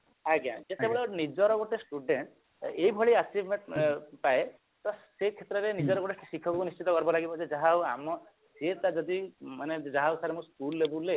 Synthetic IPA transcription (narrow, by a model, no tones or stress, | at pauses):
aɡa̰d͡ʒet̪ebeɭɔnid͡ʒɔɾɔɡoʈesʈuɖeɳʈ | ejbʱɔɭiat͡ʃibʱmeɳʈpae | t̪ɔsekʰet̪ɾɔɾenid͡ʒɔɾɔɡoʈeʈisikʰɔkunist͡ʃit̪ɔkɔɾbɔlaɡibɔd͡ʒed͡ʒaɦawa̰mɔ | set̪ad͡ʒɔd̪imaned͡ʒaɦawsʰaɾemũskulːebule